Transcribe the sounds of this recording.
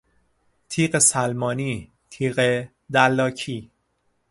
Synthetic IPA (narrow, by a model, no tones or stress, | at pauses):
t̪ʰiːɢesælmɒːniː | t̪ʰiːɢe | d̪ælːɒːcʰiː